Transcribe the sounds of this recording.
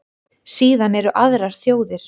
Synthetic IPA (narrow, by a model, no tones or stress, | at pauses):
siːðanɛɾʏʔaðɾaɾ̥θjoːwðɪɾ̥